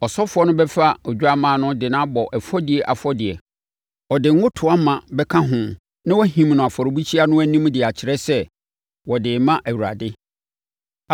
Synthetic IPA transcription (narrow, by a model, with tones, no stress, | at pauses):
ɔ˨sɔ˦fʊ˦ɔ˦nʊ̃˦bɛ˦fa˦ɔ˨d͡ʑᶣʊ˦a˦mãː˨nʊ̃˦dɪ˨nã˦bɔ˨ʔɛ˨fɔ˦dɪ˨ɛ˨ʔa̰˨fɔ˦dɪ˨ɛ˨ | ɔ˨dɪ˨ŋ˦ʊ̃˦tʰʊ˨a˦mã˨bɛ˦kʰã˦ɦʊ̃˨ | nã˦wɔ˦ɦĩ˨m˨nʊ̃˨a˨fɔ˨ɾo˨bi˦t͡ɕʰi˦a˦nʊ̃˦æ˦nĩ˦m˦dɪ˨a˨t͡ɕʰɪ˨ɾɛ˦sɛ˦ | wɔ˨dɪ˨mã˦ʔæ˨wu˨ɾa̰˨dɪ˦